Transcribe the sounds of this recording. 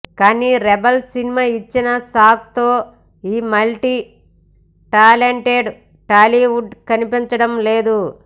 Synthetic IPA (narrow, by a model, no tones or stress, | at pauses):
kaːniːɾɛbɐlsinimaːit͡ʃːinɐsaːk̚t̪o̞ː | iːmɐlʈi | ʈaːleɳʈeɖ | ʈaːliʋuɖkɐnipiɲt͡ʃɐɽɐmle̞ːd̪u